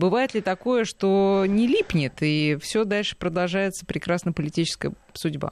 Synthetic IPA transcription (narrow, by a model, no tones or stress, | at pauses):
bɨvajɪt̪lʲɪt̪ɐkojəʂt̪onʲɪlʲipnʲɪt̪ifsʲɵd̪alʲʂɨ̥pɾəd̪ɐlˠʐajɪt̪sə̥pɾʲɪkɾasnəjpəlʲɪtʲit͡ɕɪskəjə | sʊdʲba̰